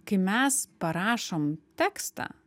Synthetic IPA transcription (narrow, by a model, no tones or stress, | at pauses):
kɐɪmʲɛspɐɾɑːʃoːmt̪ʲæːkst̪ɑ̰ː